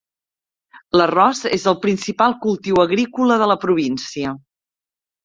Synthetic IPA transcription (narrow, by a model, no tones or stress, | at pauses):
lərɔzḛzəlˠpɾinsipalˠkulˠt̪iwəɣɾikuləðələpɾuβ̞insiə